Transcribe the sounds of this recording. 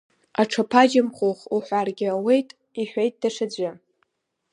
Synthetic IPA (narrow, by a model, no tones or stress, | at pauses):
aʈ͡ʂʰapʰad͡ʒamχʷoχuħʷarɡʲɪawe̞jtʼ | iħʷᶣejtʼd̥aʂad͡zʷa